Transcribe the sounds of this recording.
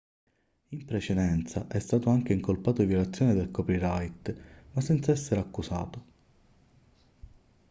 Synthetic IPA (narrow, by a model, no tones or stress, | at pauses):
impɾet͡ʃed̪ɛnt̪saʔɛst̪aːt̪oaŋk̟eiŋkolpaːt̪ovjolat̪sːjoːned̪elkɔpiɾajt̪masːɛnt̪saɛsːeɾakːusa̰ːt̪o